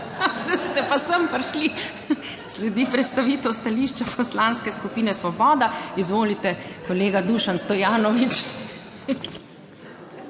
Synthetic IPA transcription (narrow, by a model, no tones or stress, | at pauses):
zɛst̪ɛpasəmpɾʃli | slɛd̪ipɾɛt̪st̪aʋiːt̪ɔwst̪aliːʃt͡ʃapʰɔslaːnskɛskupiːnɛsʋɔbɔːd̪aizʋoːlit̪ɛkɔleːɡad̪uʃanst̪ɔjaːnɔʋit͡ʃ